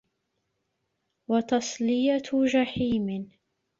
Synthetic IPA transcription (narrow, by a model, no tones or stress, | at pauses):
wɑt̪ɑsˤlɪjat̪d͡ʒaħiːmɪ